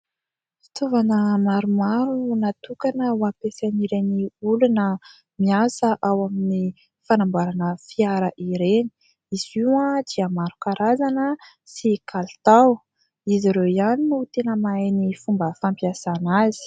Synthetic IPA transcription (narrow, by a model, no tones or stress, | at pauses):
fi̥t̪ovanəmaɾumaɾunat̪ukanəwapesaniɾeniulunə | miasəʔawamini | fanambaɾanəfiaɾəʔiɾeni̥ | iziwãd̪̥iamaɾukaɾazanə | sikʰalt̪aw | iziɾewizaninut̪enəmaenifumbəfampiasanaz̥i̥